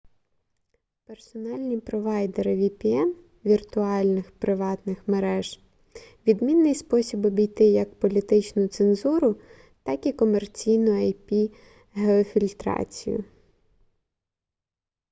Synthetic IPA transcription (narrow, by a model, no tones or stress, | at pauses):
pe̞rsɔnɑlʲnʲipɾɔʋɑjd̪eɾɪʋʲipʲiɛn | ʋʲirt̪ʊɑlʲnɪxpɾɪʋɑt̪nɪxmeɾɛʒ̥ | ʋʲid̪mʲinːɪjspɔsʲibɔbʲijt̪ɪjɐkpɔlʲit̪ɪt͡ʃnʊt̪senzuɾʊ | t̪ɑkikɔmert͡sʲijnʊɐjpʲi | ɦeɔfʲilʲt̪ɾɑ̰t͡sʲḭjʊ̰